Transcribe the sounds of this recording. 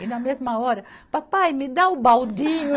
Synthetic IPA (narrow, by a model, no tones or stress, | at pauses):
inamezmaoɾɐpapajmid̪awubawd̪iɲ